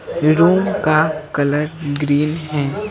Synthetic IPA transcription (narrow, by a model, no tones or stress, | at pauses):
ɾuːmkakɐləɾɡɾiːnɦɛː